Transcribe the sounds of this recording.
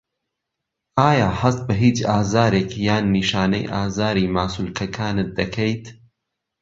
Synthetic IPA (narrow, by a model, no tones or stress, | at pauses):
aːjaːhɐst̪̚bɐɦiːt͡ʃaːzaːɾeːkjaːnːiːʃaːnɐ̰jʔaːzaːɾiːmaːsulkʰɐkʰaːnɨt̪̚d̪ɐkʰejt̪